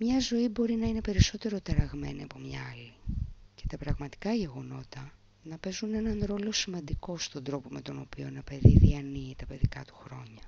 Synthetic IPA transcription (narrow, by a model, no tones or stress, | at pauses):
mɲɐzo̞ibo̞ɾinɐine̞pe̞ɾiso̞t̪e̞ɾo̞t̪ɐɾɐɣme̞niɐpo̞mɲɐɐlice̞̥t̪ɐpɾɐɣmɐt̪i̥kɐʝe̞ɣo̞no̞t̪ɐ | nɐpe̞zune̞nɐnɾo̞lo̞simɐnd̪iko̞st̪o̞nd̪ɾo̞po̞me̞t̪o̞no̞pio̞nɐpe̞ðiðiɐniːt̪ɐpe̞ðikɐt̪u̥xɾo̞ɲɐ